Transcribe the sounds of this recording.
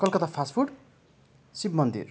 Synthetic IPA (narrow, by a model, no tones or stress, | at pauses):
kʌlkʌt̪apʰaspʰuɖ | sibmʌnd̪ḭr